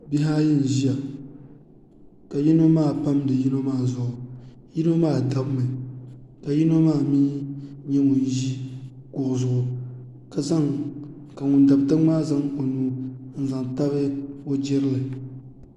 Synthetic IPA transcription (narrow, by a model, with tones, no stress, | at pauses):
bi˦ɦaː˦ji˦n̩˨ʒi˦ja˨ | ka˨ji˦no˦maː˦˨pa˦mdɨ˨ji˦no˦maː˦˨zʊ˨ʔʊ˨ | ji˦no˦maː˦˨da˨bmɨ˨ka˨ji˦no˦maː˦˨miː˦ɲɛ˦ŋʊ˨n˦ʒi˦ | kʊ˨ʔʊ˨zʊ˨ʔʊ˨ | ka˨za˦ŋ | ka˨ŋʊ˨nda˨btɨ˦ŋ͡maː˦za˦ŋo˨nuː˦n̩˦za˨ŋta˦βɨ˦o˦d͡ʒɪ˦ɾɨ˦lɨ˨